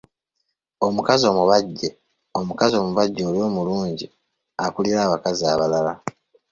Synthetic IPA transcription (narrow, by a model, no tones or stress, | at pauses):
o̞mukazo̞ːmuβaɟːe̞ | o̞mukazio̞ːmuβaɟːo̞ːljo̞ːmuluːɲɟi | akuliɾaːβakaziaβalala